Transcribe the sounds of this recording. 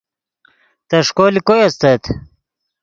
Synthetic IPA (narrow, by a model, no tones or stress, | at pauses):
t̪ɐʂkoːlikojɐst̪ɐt̪ʰ